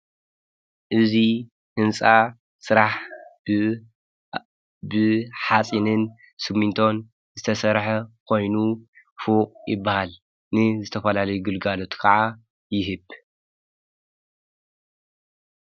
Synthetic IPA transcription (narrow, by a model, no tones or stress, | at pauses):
ʔɨzi | hɨnsʼa | sɨɾaħ | bɨħat͡sʼinɨn | sɨmːint̪ʰo̞n | zɨt̪ʰɐsɐɾħɐkʰo̞jnu | fuqʼjɪbːahal | nɨzɨt̪ʰɐfɐlalɐjuɡɨlɡalo̞t̪ʰkʰɐʕa | jɪɦɨβ